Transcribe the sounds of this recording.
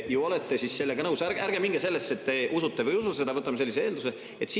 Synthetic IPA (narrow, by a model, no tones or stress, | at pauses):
juolet̪ːesisse̞lːeɡ̥ɑnɤwsæɾæɾɡ̥e̞miŋɡ̥ese̞lːesːe̞t̪ːe̞ʔusut̪ːevɤjus̬ut̪ese̞d̪ɑvɤt̪ːˑɑmɑselːiseeːld̪use | e̞t̪si